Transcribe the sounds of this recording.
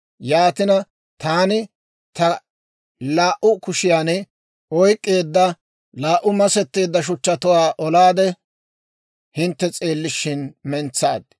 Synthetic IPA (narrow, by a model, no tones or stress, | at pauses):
jaːt̪ɪnɐ | t̪aːnɪ | t̪ɐ | laːʔʊkʊʃɪjaːnɛ | ɔjkʼːe̞ːd̪ːɐ | laːʔʊmɐsɛt̪ːe̞ːd̪ːɐʃ̬ʊt͡ʃːɐt̪ʊwaːʔɔlaːd̪ɛ | hɪnt̪ːɛt͡sʼe̞ːlːɪʃːɪnmɛnt͡sːaːd̪